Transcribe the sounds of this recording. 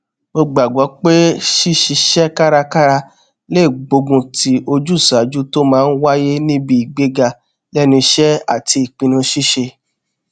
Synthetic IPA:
mo˧ɡ͡ba˨ɡɔ˨˦k͡pe˦ʃi˦ʃi˧ʃɛ˦ka˦ɾa˧ka˦ɾa˧ | le˦˨ɡ͡bo˧ɡũ˧ti˦ʔo˧d͡ʒu˦˨sa˨˦d͡ʒu˦to˦mãː˦˧n̩˦wa˦je˦nĩ˦bi˧i˨ɡ͡be˨˦ɡa˧ | lɛ˦nĩ˧ʃɛ˦a˦˨ti˧i˨k͡pĩ˧nũ˧ʃi˦ʃe˧

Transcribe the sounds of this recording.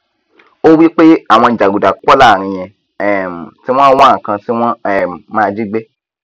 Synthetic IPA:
o˦wi˦k͡pe˦a˦˨w̃ɔ̃˧i˨d͡ʒa˨ɡu˨da˨k͡pɔ˦la˦˨ɾ̃ĩ˧j̃ɛ̃˧ | ɛ˨m˨ti˦w̃ɔ̃˦wɔ̃˦˨kã˧ti˦w̃ɔ̃˦ɛ˨mãː˦˧d͡ʒi˦ɡ͡be˦

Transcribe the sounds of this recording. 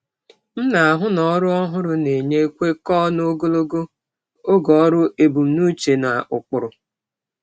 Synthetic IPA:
m̩˦na˨a˨ɦʊ˦nɔ˨˦ɾʊ˦ɔ˦ɦʊ˦ɾʊ˨ne˨ɲe˦kʷe˦kɔ˦no˦ɡo˦lo˦ɡo˦ | o˦ɡɔ˨˦ɾʊ˦e˨bu˨m̩˨nu˦t͡ʃe˨na˨ʔʊ˨k͡pʊ˨ɾʊ˨

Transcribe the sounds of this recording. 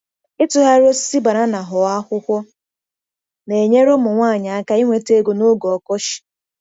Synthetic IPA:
ɪ˦tʊ˦ɦa˦ɾo˦si̥˦si˦ba˨ɾa˦na˨ɦʊ˨a˦kʷʊ˦kʷɔ˦ | ne˨ɲe˦ɾʊ˦mʊ˨ŋʷaː˦˨ɲa˨a˦ka˦i˦ŋʷe˨te˦ɡo˨no˦ɡɔ˨kɔ˦ʃɪ̥˨

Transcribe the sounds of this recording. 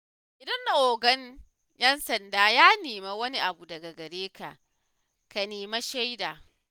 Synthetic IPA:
ʔɪ˨dɐ˦nda˨ʔoː˨ɡɐ˦ɲ | jɛ˦nsɐ˨ndaː˦jaː˦neː˨ma˦wɐ˦ni˦ʔa˨bu˨dɐ˨ɡa˨ɡɐ˨ɽeː˦ka̰˨ʔ | ka˨neː˨ma˦ʃa˦jdaː˨

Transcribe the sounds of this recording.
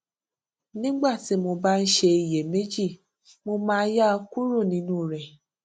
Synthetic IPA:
nĩ˦ɡ͡ba˦˨ti˨˦mo˧ba˦n̩˦ʃe˧i˨je˨me˦d͡ʒi˦˨ | mo˧mãː˦ja˦˧ku˦ɾu˦˨nĩ˧˦nũ˦˨ɾɛ˨

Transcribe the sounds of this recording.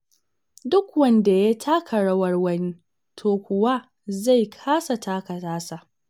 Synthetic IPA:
dʊ˦kwɐ˦nda˨ja˦tʰaː˦kʰɐ˨ɽɐ˦wɐ˦rwɐ˦ni˦ | tʰoː˨kʷʊ˨wa˦ | za˦˨jkʰaː˦sa˨tʰaː˦kɐ˨taː˦sa˨ʔ

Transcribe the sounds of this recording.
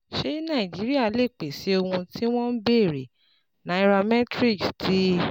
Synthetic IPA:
ʃe˦nã˦˨i˨d͡ʒi˨˦ɾi˦a˦˨˦le˦˨k͡pe˨si˨˦o˧hũ˧ti˦w̃ɔ̃˦n˦be˦˨ɾe˨ | nã˨˦i˦ɾa˧mɛ˦tɾi˦˨ksti˦

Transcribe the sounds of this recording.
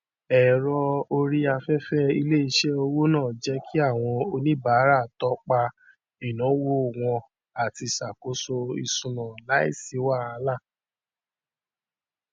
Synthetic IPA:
ɛ˨ɾɔ˧o˧ɾi˦a˧fɛ˦fɛ˦i˧le˦i˧ʃɛ˦o˧wo˦nãː˦˨d͡ʒɛ˦kʰi˦a˦˨w̃ɔ̃˧o˧nĩ˦ba˨˦ɾa˦˨tɔ˦k͡pa˧ | i˨nɔ̃˨˦wo˦˨w̃ɔ̃˧ | a˨ti˧˨sa˨ko˨˦so˧i˨sũ˨nɔ̃˨la˨˦ḭ˦˨si˨˦wa˦˨a˧˦la˦˨

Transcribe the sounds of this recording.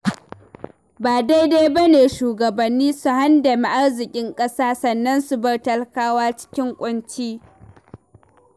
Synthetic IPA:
baː˨da˦jda˦jbɐ˦neː˨ʃuː˨ɡɐ˨bɐ˨nːiː˦su˦ha˦ndɐ˨mi˨ʔa˦rzɪ˨kʲʼɪ˦ŋkʼɐ˦saː˦sɐ˨nːɐ˦nsu˨bɐ˦rtɐ˦lkaː˦waː˦t͡ʃɪ̥˦kʲɪ˦ŋkʷʼʊ˦nt͡ʃiː˦

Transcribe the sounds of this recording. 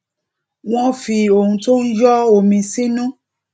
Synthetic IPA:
w̃ɔ̃˦fi˧o˨hũ˧to˦n̩˦d͡ʒɔ˦o˨mĩ˧sĩ˦nũ˦

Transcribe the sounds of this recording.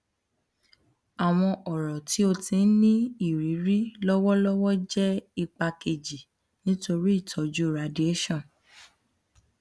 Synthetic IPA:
a˨w̃ɔ̃˧ʔɔ˨ɾɔ˨ti˨˦o˧tĩ˧n̩˦nĩ˦i˦˨ɾi˨˦ɾi˦lɔ˦wɔ˦lɔ˦wɔ˦d͡ʒɛ˦i˧k͡pa˧ke˧d͡ʒi˨ | nĩ˦to˧ɾi˦i˦˨tʰɔ˨˦d͡ʒu˦˨ɾa˨˦di˦e˦ʃɔ̃˦˨n

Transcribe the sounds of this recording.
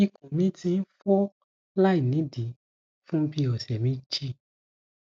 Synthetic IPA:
i˧kũ˨mĩ˦tĩ˧˦n̩˦fo˦ | la˦i˨nĩ˨˦di˨˦ | fũ˦bi˦ɔ˨sɛ˨mĩ˦d͡ʒi˦˨

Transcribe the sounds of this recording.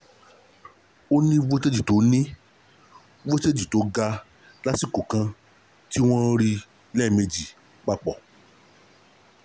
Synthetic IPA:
o˦nĩ˦vo˦te˦d͡ʒi˦˨to˨˦nĩ˦ | vo˦te˦d͡ʒi˨to˨˦ɡa˧ | la˦si˦˨ko˨kã˧ | ti˦w̃ɔ̃˦ɾi˧ | lɛ˦˨me˧d͡ʒi˨ | k͡pa˧˨k͡pɔ˨

